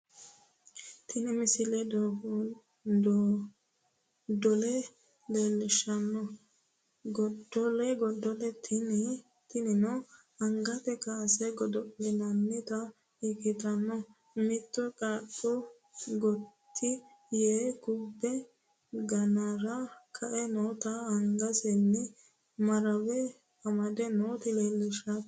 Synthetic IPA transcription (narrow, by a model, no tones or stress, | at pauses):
t̪ʰɪnɪmɪsɪlɛd̪ɔ | d̪ɔlɛ | leːlːɪʃɐnːɔ | ɡɔdɔlɛɡɔd̪ːɔlɛt̪ʰn | t̪ɪnɪnɔ | ɐŋɡɐt̪ɛkasɛɡɔd̪ɔlɪnɐnːɪt̪ɐ | ɪkɪt̪ɐnːɔ | mɪt̪ːɔkʼaɗɔ | ɡɔt̪ʰːɪ | jeːɡʊbːɛ | ɡɐnɐɾɐkʰɐʔɛnot̪ɐːŋɡɐsɛnːɪ | mɐɾɐwɛ | ɐmɐd̪ɛnoːt̪ɪleːlːɪʃɐ